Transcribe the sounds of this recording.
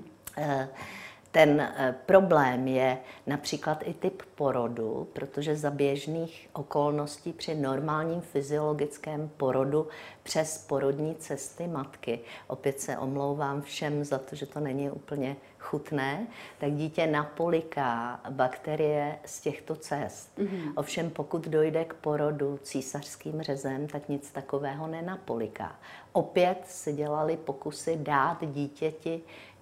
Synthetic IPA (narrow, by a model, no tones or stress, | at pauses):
t̪ɛnpɾo̞blɛːmjɛnapr̥iːklat̪ʔɪt̪ɪppo̞ɾo̞dṵpɾo̞t̪o̞ʒɛzabjɛʒniːxʔoko̞lno̞sciːpr̝̥ɪno̞ɾmaːlɲiːmfɪzɪo̞lo̞ɡɪt͡skɛːmpo̞ɾo̞dupr̝̥ɛspo̞ɾo̞dɲiːt͡sɛst̪ɪmat̪kɪʔo̞pjɛt̪sɛ̰ʔo̞mlo̞wvaːmfʃɛmzat̪o̞ʒɛt̪o̞nɛɲɪʔuːpl̩ɲɛ | xut̪nɛːt̪aɡɟiːcɛnapolɪkabakt̪ɛɾɪjɛscɛxt̪o̞t͡sɛst̪ʔo̞fʃɛmpo̞kud̪do̞jdɛkpo̞ɾo̞dut͡siːsar̝̥skiːmr̝ɛzɛmt̪akɲɪt͡st̪ako̞vɛːɦo̞nɛnapolɪka̰ʔo̞pjɛt̪sɪɟɛlalɪpo̞kusɪdaːt̪ɟiːcɛcɪ